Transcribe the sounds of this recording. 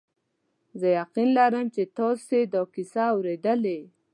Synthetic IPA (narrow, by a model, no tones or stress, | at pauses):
zəjaqinlaɾəmt͡ʃet̪ɑsed̪okisaːwɾed̪əle